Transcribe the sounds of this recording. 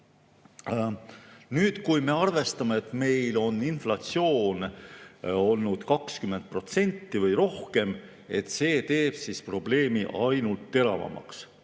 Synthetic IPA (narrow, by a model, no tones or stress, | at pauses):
nyːd̪̥kujme̞ɑrve̞st̪ɑmeet̪ˑme̞jlo̞nːinflɑt̪sio̞ːn | o̞lnud̪̥kɑkskymːent̪̚pro̞t̪se̞nʲt̪ːivɤjɾo̞hke̞m | e̞t̪se̞ːt̪e̞ːb̥sispro̞b̥le̞ːmiʔɑjnult̪ːe̞ɾɑ̰vɑ̰mɑ̰ks